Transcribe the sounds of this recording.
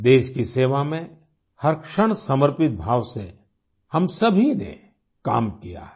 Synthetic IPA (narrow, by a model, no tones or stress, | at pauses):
d̪eːʃkiseːʋamẽ | hɐɾkʃəɽ̃sɐməɾpɪt̪̚bʱaːʋse | hɐmsɐbʱinḛ | ka̰ːmkija̰